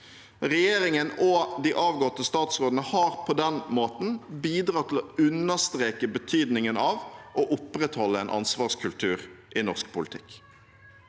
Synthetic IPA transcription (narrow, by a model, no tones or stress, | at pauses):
ʁɛjeːɾɪŋənɔd̪iʔɑːʋɡɔt̪ːəst̪ɑːt̪sʁoːd̪ən̩əhɑːʁpʰɔd̪ɛnmoːt̪n̩biːd̪ɾɑːt̪ʰɪlɔʉnːəst̪ɾeːkəbət̪ʰyːd̪nɪŋənɑːʋʔɔʔʊpʁɛt̪hɔlːəɛːnʔɑ̰nsʋɑːʁskʰʉlt̪ʰʉːʁʔɪnɔʁskpʊlɪt̪ʰɪk